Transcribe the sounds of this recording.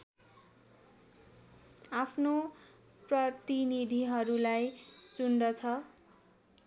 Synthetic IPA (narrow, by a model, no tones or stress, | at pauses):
apʰno | prʌt̪inid̪ʱiɦʌɾulajt͡sunɖʌt͡sʰʌ